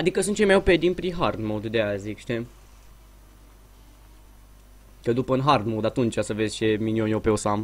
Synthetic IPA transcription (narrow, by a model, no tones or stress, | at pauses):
ad̪ikəsunt͡ʃejmajoped̪inpɾiɦard̪mod̪d̪eazikʃt̪e | kəd̪upəɨnɦard̪mod̪at̪unt͡ʃʲasəvezʲt͡ʃe̞minionjopeosam